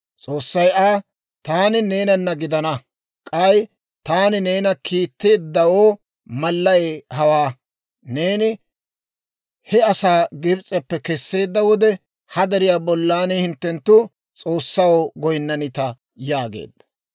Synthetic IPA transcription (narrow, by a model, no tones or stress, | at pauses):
t͡sʼo̞ːsːɐjaː | t̪aːnɪne̞ːnɐnːɐɡɪd̪ɐnɐ | kʼɐj | t̪aːnɪne̞ːnɐkiːt̪ːe̞ːd̪ːɐwoː | mɐlːɐjeːhɐwaː | ne̞ːnɪ | hɛɐsaːɡɪbt͡sʼːɛpːɛkɛsːe̞ːd̪ːɐwɔd̪ɛ | hɐd̪ɛɾɪjaːbɔlːaːnehɪnt̪ːɛnt̪ːʊ | t͡sʼo̞ːsːɐwoːɡɔjnːɐnɪt̪ɐ | jaːɡḛːd̪̥ːɐ̥